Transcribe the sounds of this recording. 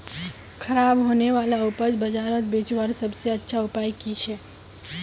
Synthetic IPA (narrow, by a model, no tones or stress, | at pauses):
kʰəɾabɦoneʋalaupəd͡ʒbəd͡ʒaɾət̪̚bet͡ʃʋaɾsəbʱseətːʃʰaupajkit͡ʃʰɛ